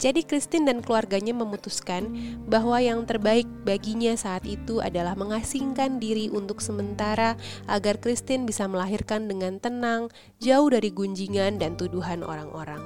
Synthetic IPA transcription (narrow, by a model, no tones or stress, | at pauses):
d͡ʒadikɾist̪ɪndankluarɡaɲaməmut̪uskanbaɦwajaŋt̪ərbaɪk̚baɡiɲasaːt̪it̪uʔa̰dalahməŋasiŋkandiɾiʔunt̪ʊksəmənt̪aɾaʔaɡarkɾist̪ɪnbisaməlaɦirkandəŋant̪ənaŋ | d͡ʒaʊhdaɾiɡuɲd͡ʒiŋandant̪uduɦano̰ɾaŋʔo̰ɾaŋ